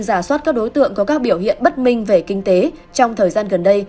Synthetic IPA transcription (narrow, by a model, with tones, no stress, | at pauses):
zaː˧˩swa˦˥t̚kaː˦˥k̚ɗo˨˦jt̪ɨ̰˧˨əŋkɔ˨˦kaː˦˥k̚ɓi˧˩əwhḭ˧˨ənɓə˦˥t̚mï˧ŋ̟ve˨˩kï˧ŋ̟t̪e˨˦ | t͡ɕɔ˧wŋ͡mt̪ʰəː˨˩jzaː˧nɣə˨˩nɗə˧j